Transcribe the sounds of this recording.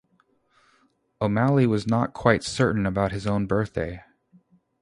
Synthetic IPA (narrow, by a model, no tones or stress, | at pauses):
oʊmælˠiwʌznət̚kʰw̥aɪtsɜ˞ʔn̩ɨbaʊt̚hɨzõʊ̃nbɜ˞θd̥eɪ